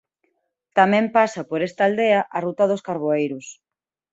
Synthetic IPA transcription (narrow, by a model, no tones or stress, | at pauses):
t̪amɛ̃mpasɐpoɾest̪ɐald̪eɐʔɐrut̪ɐðoskaɾβoejɾʊs